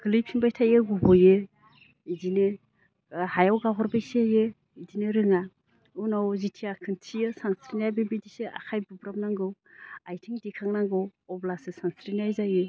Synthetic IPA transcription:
ɡ̥ɯlijpʰinbajtʰajɯɡubɔje | idine | hajawɡaɦɔɾbajseje | idineɾɯŋa | unawzitʰiakʰɯntʰijɯsansɾinajbibidisea̰kʰajbubɾam̚naŋɡɯwajtʰiŋdikʰaŋnaŋɡɯwɔblasɯsansɾinajzajɯ

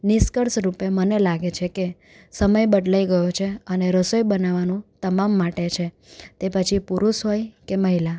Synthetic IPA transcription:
nɪskəɾsɾupemənelaɡet͡ʃʰeke | səməjbəɖlaiɡəjot͡ʃʰeəneɾəsojbənaʋanũt̪əmamːaʈet͡ʃʰe | t̪epət͡ʃʰipuɾusɦojkeməɦila

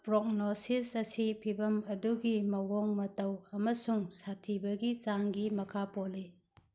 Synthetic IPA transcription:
pɾok̚nosisɐsipʰibɐmɐduɡimɐɦoŋmɐtɐwɐmɐsuŋsatʰibɐɡit͡ʃaŋɡimɐkʰapoli

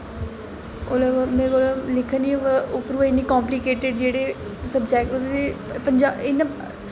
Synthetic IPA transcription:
oːlaɡomẽːɡolalɪkʰːəniːʊpɾuːʋɪnĩːkãːmplikeːʈɪɖd͡ʒeːɽeː | səbd͡ʒɛːkəepəɲd͡ʒaːɪnã

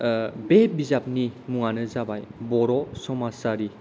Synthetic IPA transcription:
bebizap̚nimuŋanɯzabajbɔɾɔsɔmasaɾi

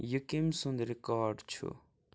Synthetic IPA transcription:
jəkimsũnd̪ɾekaːɖt͡ʃʰṵ

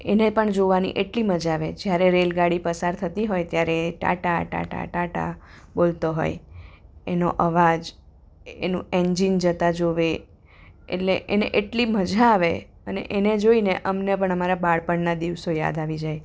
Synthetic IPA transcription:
enepəɳd͡ʒoʋanḭʔeʈliməd͡ʒaʋed͡ʒjaɾeɾelɡaɽipəsaɾt̪ʰət̪iɦojt̪jaɾeʈa̰ʈaʈa̰ʈa̰ʈaʈa̰ | bolt̪oɦo̰j | eno̰ʔəʋad͡ʒ | ḛnũeɲd͡ʒind͡ʒət̪ad͡ʒoʋe | ḛʈleʔenḛʔeʈliməd͡ʒʱaːʋe | ənḛʔened͡ʒoineʔəmnepəɳəmaɾabaɽpəɳnad̪iʋsoja̰d̪aʋid͡ʒaj

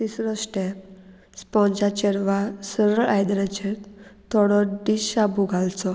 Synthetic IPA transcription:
t̪isɾɔsʈɛp̚ | spɔ̃d͡ʑat͡ɕeɾʋasəɾəɾajd̪ɾãt͡ɕɛɾt̪ʰɔɽɔɖiɕabuɡʱalt͡sɔ

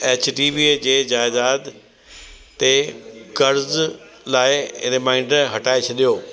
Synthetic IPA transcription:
eːt͡ɕʈiːʋiːed͡ʑeːd͡ʑaːzaːd̪ | t̪ekɐɾz | laːɪɾɪmãːɪ̃ɳɖɦɐʈaːet͡ɕʰɐɗijoː

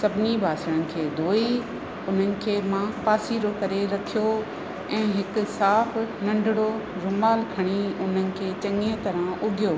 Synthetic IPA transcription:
sɐbʱɪnibʱaːsəɽ̃ənɪ̆kʰeːd̪ʱoːi | ʊn̤ənɪ̆kʰeːmãpaːsiːɾokɐɾeɾɐkʰijo | ɛ̃ːɦɪkʊ̆saːfnɐ̃ɳɖʱɪɽ̃oɾʊmaːlkʰɐɽ̃iʊn̤ənɪ̆kʰeːt͡ɕɐ̃ŋə̃t̪ɐɾãʔʊɡʱijoː

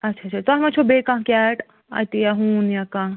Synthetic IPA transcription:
ɐtːʃʰat͡ʃʰaɾt̪oɦɐmãt͡ʃʰobekãɦkaʈ | a̰jt̪ijaɦuːnjakãɦ

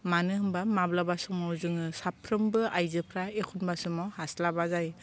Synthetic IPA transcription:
manɯhɯmbamablabasɯmɔzɯŋɯsapʰɾɯmbɯajzɯpʰɾaekʰunbasɯmawhaslabazaj

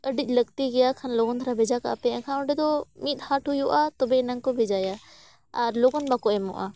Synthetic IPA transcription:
əɖic̪̚ˀləɡt̪iɡɛjakʰanlɔɡɔnt̪ʰaɾabʱɛd͡ʒaka̰pɛkʰanɔɖɛd̪ɔmit̪̚haʈɦujɔʔat̪ɔbɛɪnaŋkɔbʱɛd͡ʒaja | aɾlɔɡɔnbakɔɛmɔ̰ʔa̰

